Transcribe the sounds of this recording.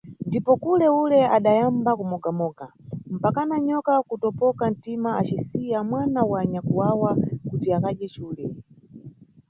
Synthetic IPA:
ndipɔkulɛulɛaɗajambakumɔɡamɔːɡam̩pakanaɲɔkakutɔpɔkan̩timaat͡ʃisijamwanawaɲakuwawakutiakaɗɛt͡ʃuːlɛ

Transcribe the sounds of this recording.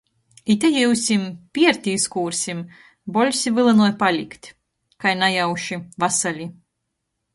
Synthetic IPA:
it̪ʲajɛusʲimpʲiɛɾt̪ʲiskuːɾsʲim | bɔlʲsʲivɨlˠɨnuɔjpalʲikt̪ʲ | kajnajawʃivasalʲi

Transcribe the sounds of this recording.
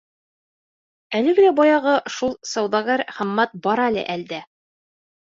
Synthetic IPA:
ælɘ̆ɡɘ̆læbɒjɑʁɤʃulˠsɒwðɑɡæɾχɘ̆mːæt̪̚bɒɾɑlɘ̰ʔæld̪æ

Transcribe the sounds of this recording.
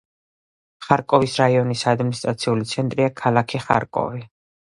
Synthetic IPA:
χaɾkʼɔvisɾaiɔnisad̪minist̪ʼɾat̪sʰiulit̪sʰɛnt̪ʼɾiakʰalˠakʰiχa̰ɾkʼɔ̰vi

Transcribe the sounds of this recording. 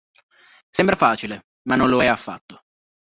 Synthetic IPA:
sɛmbɾafaːt͡ʃile | manːonloɛafːa̰t̪ːo̥

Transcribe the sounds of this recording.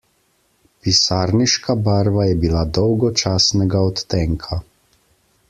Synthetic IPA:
pisaːɾniʃkʰabaːɾʋajɛbilad̪ɔwɡɔt͡ʃaːsnɛɡaɔt̪ːɛŋkʰa

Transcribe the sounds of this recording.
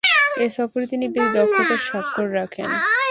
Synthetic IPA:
eʃɔfoɾit̪inibid̪ɔkot̪aɾʃɔkkːoɾɾakʰḛn

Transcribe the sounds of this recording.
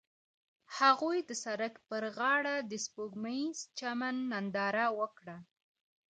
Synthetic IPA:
haɣujd̪əsaɾəkpəɾɣɑɽad̪əspoɡmazt͡ʃamanːand̪ɑɾawəkɽa

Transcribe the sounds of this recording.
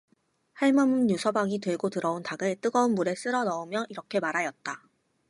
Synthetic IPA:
haɭmʌmunjusʰʌbaŋitweɭɡotɯɾʌontaɡɯɭt͈ɯɡʌunmuɾe̞s͈ɯɾʌnʌomjʌʔiɾʌkʰe̞maɾajʌt̚t͈a

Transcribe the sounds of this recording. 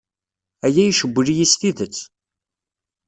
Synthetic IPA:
æjæjʃəbʷːəlijist̪iðət͡sː

